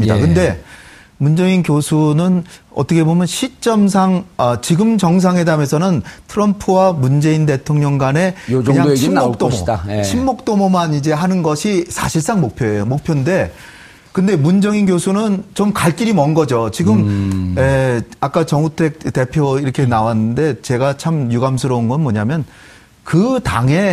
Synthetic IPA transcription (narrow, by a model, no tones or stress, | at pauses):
mɲidakɯnde̞ | mund͡ʑʌŋinkjosʰunɯnʌt͈ʌkʰe̞bomjʌnɕʰit͡ɕ͈ʌms̬ʰaŋʌt͡ɕiɡɯmt͡ɕʌŋs̬ʰaŋɦe̞dame̞sʰʌnɯntʰɯɾʌmpʰɯwamund͡ʑe̞inde̞tʰoŋɲʌŋɡane̞ɯɲaɕʰimːok̚t͈omoɕʰimːok̚t͈omomanid͡ʑe̞ɦanɯnɡʌɕʰisʰa̰ɕʰiɭs͈aŋmok̚pʰjoejomok̚pʰjonde̞ | kɯnde̞mund͡ʑʌŋinɡjosʰunɯnt͡ɕomkaɭk͈iɾimʌnɡʌd͡ʑot͡ɕiɡɯmeak͈at͡ɕʌŋutʰe̞k̚te̞pʰjoiɾʌkʰe̞nawanːɯnde̞t͡ɕe̞ɡat͡ɕʰamjuɡamsʰɯɾʌunɡʌnmwʌɲamjʌn | kɯtaŋe̞